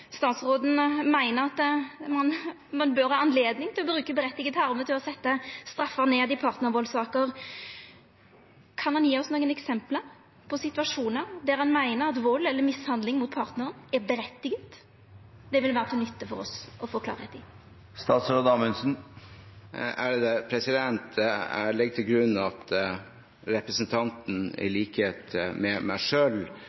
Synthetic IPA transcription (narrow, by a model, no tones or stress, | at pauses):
st̪ɑːt̪sɾoːd̪n̩mæɪnəɾɑt̪mɑn | mɑnbøɾhɑːɑnleːd̪nɪŋt̪ʰɪlɔbɾʉːkəbəɾɛt̪ːɪɡət̪ɑʁmət̪ʰɪlɔsɛt̪ːəst̪ɾɑfːəʁneːd̪ɪpʰɑːɾt̪nəɾʋoːlsɑːkəɾ | kʰɑnhɑnjiːɔsnoːɡənɛksɛmpləɾ | pʰɔsɪt̪ʉʋɑʂuːnəɾd̪æɾhɑnmæɪnəɾɑt̪ʋɔlɛlːəɾmɪshɑnd̪lɪŋmʊt̪̚pʰɑːɾt̪nəʁənɛɾbəɾɛt̪ːɪɡət̪ | d̪ɛʋɪlʋæːʁət̪ʰɪnʏt̪ːəfɔɾɔ̰sɔfɔkʰlɑ̰ːɾəɛt̪ɪ | st̪ɑːt̪sɾɔd̪ɑːmɪnsn̩ | æ̰ɾd̪ɛpʰɾɛsɪd̪ɛnt̪æ̰ɭɪɡ̚t̪ʰɪlɡɾʉnːɑt̪ | ɾɛpɾəsnt̪ʰɑnt̪n̩ɪ̰liːkəheːt̪mɛmæ̰ɪʂøːl